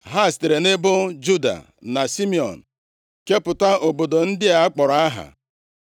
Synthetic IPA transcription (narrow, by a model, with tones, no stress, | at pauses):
ɦa˦˨ste˨ɾe˨nɪ˦bʊ˦d͡ʒu˦da̰˨ | na˨si˦mi˨ɔ̰˨n̩˨ | ke˦pʊ˨ta˦o˨bo˨do˨n̩˦dɪ˦a˨a˦k͡pɔ˨ɾa˨a˦ɦa̰˨